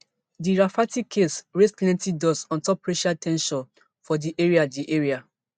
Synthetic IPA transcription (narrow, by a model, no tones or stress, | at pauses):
diɹafatikʰːesɹeskɛ̃ntidɔsɔ̃ntɔpːɹeʃatʰɛ̃nʃɔ̃n | fɔdiʔeɹiadiʔeɹia